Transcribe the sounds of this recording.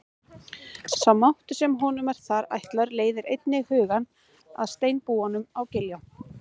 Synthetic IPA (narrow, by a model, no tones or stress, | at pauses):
sawmawht̪ʏ̥sɛmɦɔnʏmɛɾ̥θaɾa̰jht̪laɾleːjðɪɾejt̪̚nɪhʏːɣan | a̰ðst̪eːjnpuːanʏmawcɪljaw